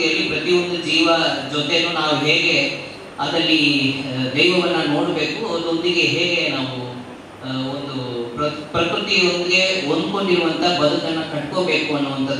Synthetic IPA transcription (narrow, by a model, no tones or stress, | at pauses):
jɐlːipɾɐt̪ijond̪ud͡ʒiːʋɐd͡ʒot̪e̞nuːnaːʋuɦeːɡe̞ | ɐd̪ɾɐlːi | d̪ɛjʋɐʋɐnːɐno̞ːɽbe̞ːkuɐɐd̪ond̪iɡe̞ɦeːɡe̞naːʋu | ond̪upɾɐpɾɐpɾut̪iond̪iɡe̞ond̪ko̞ɳɖiɾuʋɐnt̪ʰɐbɐd̪ʱɐk̪ɐnːɐkɐʈko̞ːbe̞ːkuɐnːuʋɐnt̪ʰɐ